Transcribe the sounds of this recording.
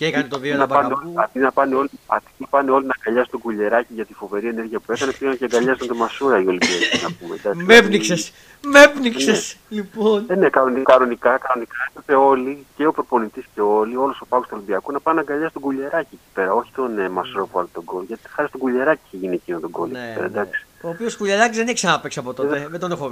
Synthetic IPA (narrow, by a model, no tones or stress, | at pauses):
ɐt̪nɐpɐneolɐt̪inɐpɐneo̞liɐ̰t̪ipɐneo̞linɐɡɐʎɐsut̪oɡuʎe̞ɾɐciʝɐt̪ifo̞ve̞ɾie̞neɾʝiɐpue̞kɐnepiɣɐnoceɡɐʎɐsnt̪omɐsuɾɐio̞limbiɐcinɐpumed̪ɐkssmevnikses | mepniksesliponnekɐnonikɐno̞nikɐkɐno̞nikɐepepe̞o̞lice̞opɾopo̞nit̪isce̞o̞lio̞loso̞pɐɣost̪uo̞limbiɐkunɐpɐnɐɡɐʎɐsi̥t̪oɡuʎe̞ɾɐcieci̥pe̞ɾɐo̞çi̥t̪o̞nemɐsuɾopuɐlot̪oɡoloʝɐt̪i̥xɐɾist̪oɡuʎe̞ɾɐci̥çeʝiniecinot̪o̞ɡolocieɾɐ̰d̪ɐksi̥oːpioskuʎeɾɐcizðeneçsɐnɐpeksɐpo̞t̪oeðed̪onexo